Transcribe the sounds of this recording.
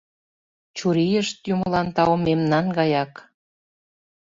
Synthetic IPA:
t͡ɕuɾijəʃt̪juməlɑnt̪ɑwmemnɑnɡɑjɑk

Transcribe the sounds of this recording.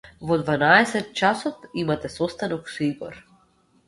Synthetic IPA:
vɔd̪vanaɛsɛt̪̚t͡ʃasɔt̪imat̪ɛsɔst̪anɔksɔibɔ̰ɾ

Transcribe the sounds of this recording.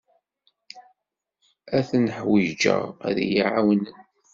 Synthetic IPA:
æθnəħwid͡ʒə̰ʁæ̰ðjiʕawnən

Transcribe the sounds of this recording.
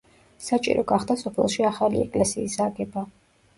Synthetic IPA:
sat͡ʃʼḭɾɔɡaχd̪asɔpʰɛlˠʃiaχalḭɛkʼlɛsiːsaɡɛba

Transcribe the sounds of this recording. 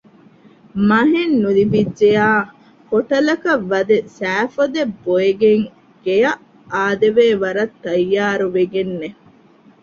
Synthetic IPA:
mɐɦenːulibidːejaː | koʈɐlɐkɐʋːɐd̪esæːfɐd̪ebːoeɡeŋ | ɡ̥ejɐ | aːd̪eʋeːʋɐɾɐt̪ːɐjːaːɾuʋeɡenːe

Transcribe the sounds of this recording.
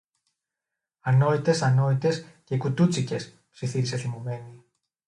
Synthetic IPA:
ɐno̞it̪e̞sɐno̞it̪e̞scekut̪ut͡sice̞s | psiθiseθimove̞ni

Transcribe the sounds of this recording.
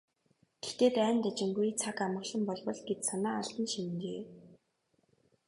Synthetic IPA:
ɡ̥e̥xt̪eːt̪æːnt̪æt͡ɕɪ̆ŋɡujt͡sʰakamə̆ɮə̆mpɔɮpɞ̆ɮɡet̪sanaːaɬt̪ə̆nʃinɡeː

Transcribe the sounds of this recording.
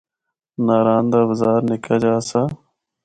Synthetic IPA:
naːɾaːnd̪aːʋəzaːɾnɪkaːd͡ʒaːsaː

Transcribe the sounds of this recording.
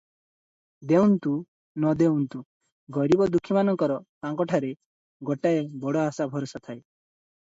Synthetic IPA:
d̪ewnt̪u | nɔd̪ewnt̪u | ɡɔɾibɔd̪ukʰːimanɔŋkɔɾɔt̪ãŋkɔʈʰaɾe | ɡɔʈaebɔɽɔasabʱɔɾɔsat̪ʰae

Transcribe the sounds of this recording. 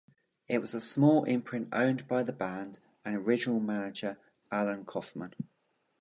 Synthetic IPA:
ɪʔwɒzəsmɔːlʔɪ̰̃mpʰɹ̥ɪ̃ntə̰̃ʊ̃nbaɪðəbãnd | ə̃nəɹɪd͡ʒɪnəlˠmanɪd͡ʒəɹ | alə̃nkʰɒfmə̃n

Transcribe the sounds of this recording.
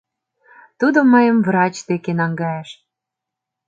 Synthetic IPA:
t̪ud̪omɤjəmvrɑt͡ɕd̪ekenɑŋɡɑjeʃ

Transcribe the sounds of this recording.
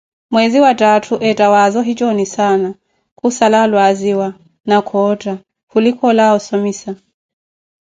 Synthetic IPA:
mwɛziwatatʰuʔɛtawazɔɦit͡ʃɔnisana | kusalalwaziwa | nakʰɔta | kulikʰɔlaɔsɔmisa

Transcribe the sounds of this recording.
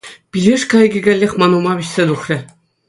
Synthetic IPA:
pʲilʲɘʂkɑjɡʲɘ̆ɡʲælʲːexʲmɑnumɑβʲiɕʲsʲed̪uχrʲɘ̆

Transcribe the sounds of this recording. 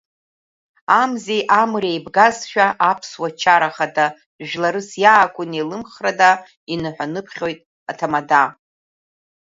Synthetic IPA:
amzejʔamrejbɡazʃᶣaʔapʰswat͡ʃʰaɾaχada | ʒᶣlaɾɨsjaːkʷʼʊnelɨmχrada | inɨħʷᶣanɨpʰχʲo̞jtʼ | atʰamada

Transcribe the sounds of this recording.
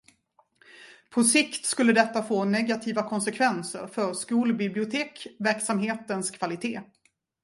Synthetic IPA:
pʰɔsɪkt̪skɵlːəd̪ɛt̪ːafoːnɛɡat̪ʰiːvakʰɔnsɛkʰvɛnsə̰ɾfœɾskuːlbɪblɪʊt̪ʰeːkvæɾksamɦeːt̪ənskʰv̥alɪt̪ʰeː

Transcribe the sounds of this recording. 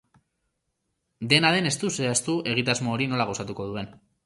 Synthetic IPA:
d̪e̞naðe̞ne̞st̪useast̪uʔe̞ɣ̞it̪azmoːɾino̞laɣo̞sat̪uko̞ðue̞n

